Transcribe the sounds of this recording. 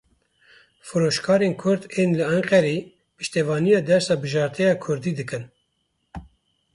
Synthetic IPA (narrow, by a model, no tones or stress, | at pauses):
fɨɾoːʃkʰɑːɾeːnkʰʊɾd̪eːnlɨɛŋqɛɾeː | pɨʃt̪ɛvɑːnijɑːd̪ɛɾsɑːbɨʒɑːɾt̪ʰɛjɑːkʰʊɾd̪iːd̪ɨkɨn